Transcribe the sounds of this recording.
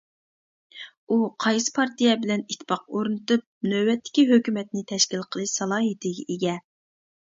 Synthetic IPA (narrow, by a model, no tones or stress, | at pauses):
uqʰɑjsɨ̥pʰɑɾt̪ijɛbɪlɛnit̪ʰːɪ̥pɑq̚oɾnɨt̪ɨp̚nøbɛt̪ʰːɪ̥kʲiɦøkʲymɛt̪nɪt̪ʰɛʃkʲilˠqʰəlˠɨʃsɑlˠɑːɦɨt̪ʰɪɡʲɛʔeɡʲɛ